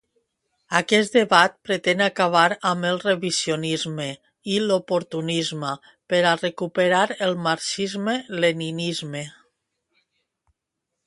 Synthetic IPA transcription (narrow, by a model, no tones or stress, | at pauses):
akɛsd̪eβat̪̚pɾet̪enakaβ̞aɾaməlˠreβisjonizme | ilopoɾt̪unizma | peɾarekupeɾaɾelˠmaɾsizmeleninizme